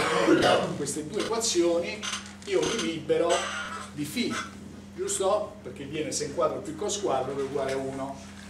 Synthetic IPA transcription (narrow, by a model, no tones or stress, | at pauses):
aŋkwest̪ed̪uːekwat̪sːjoːni | iːorilibːeɾod̪ifi | d͡ʒust̪operk̟ːevːjɛːneseŋkwaːd̪ɾopikːoskwad̪ɾoveɡwaːɾeuːno